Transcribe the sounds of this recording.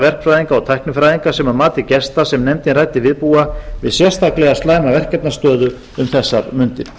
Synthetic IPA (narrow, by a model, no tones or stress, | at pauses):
vɛr̥kfɾajðiŋkaɔt̪ʰajhknʏfɾajðiŋkasɛmamaːt̪ɪcɛst̪asɛmnɛmt̪ɪnraːjt̪ɪvɪðpuːavɪðsjɛr̥st̪ʰaklɛɣast̪laːjmavɛr̥kɛt̪nast̪œːðʏ | ʏmθɛsːaɾmʏnt̪ɪn